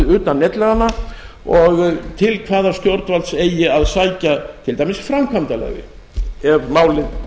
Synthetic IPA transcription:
ðʏːt̪anːɛt̪lɛɣanːa | ɔɣt̪ʰɪlkʰvaːðḁst̪jowɾt̪valt̪seːjɪaðsaːjcat̪ʰɪlt̪ajmɪsfɾamkʰvant̪alɛ̰ɣvɪ̰ | ɛɾmaːwlɪð

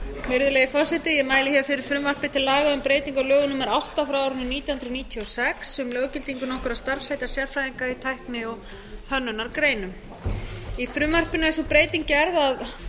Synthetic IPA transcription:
mɪɾðʏlɛɣɪfɔr̥sɛt̪ɪjɛmaːjlɪçavfɪɾɪɾ̥fɾʏːmvar̥pɪt̪ʰɪlːaːɣaʏmpɾeːjt̪iŋkawlœːɣʏnʏmɛɾawht̪afɾawaɾnʏniːt̪jahʏnɾniːt̪ʰiɔsɛksʏmlœːwcɪlt̪iŋkʏnɔhkʏɾast̪aɾ̥fsajt̪aɾ̥sjɛɾ̥fɾajðiŋkait̪ʰajhknɪɔɣ | hœnːʏnaɾkɾeːjnʏm | ifɾʏːmvar̥pɪnaɛsupɾeːjt̪iŋcɪɛɾðað

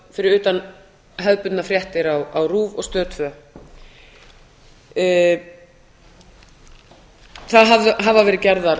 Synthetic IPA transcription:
fɪɾɪɾʏːt̪an | ɦœðpʏt̪nafɾjɛht̪ɪɾawawruːvɔ̰ɣst̪œːt̪fœ | θaðɦavðʏɦavavɛːɾɪðcɛɾðaɾ

